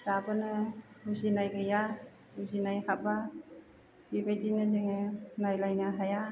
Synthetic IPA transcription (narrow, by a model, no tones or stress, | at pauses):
dabanɯhuzinajɡaja | huzinajhaba | bibajdinɯzeŋenajlajnɯɦaja